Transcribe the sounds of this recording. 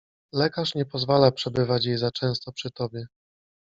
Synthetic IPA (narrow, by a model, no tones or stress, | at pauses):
lɛkaʂɲɛpɔzvalapʂɛbɘvat͡ɕjejzat͡ʂɛ̃w̃st̪ɔpʂɘt̪ɔbʲjɛ